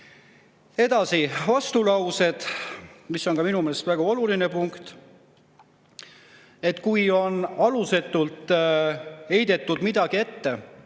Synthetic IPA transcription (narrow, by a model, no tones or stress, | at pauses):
e̞d̪̥ɑsivɑst̪ulɑwse̞d̪̥misːo̞ŋkɑminumeːlest̪væɡ̥uo̞luline̞puŋkt̪ | e̞t̪kujo̞nɑluse̞t̪ːˑult̪ˑ | e̞jd̪̥e̞t̪ːˑud̪mid̪̥ɑɡ̥ie̞t̪ːe̞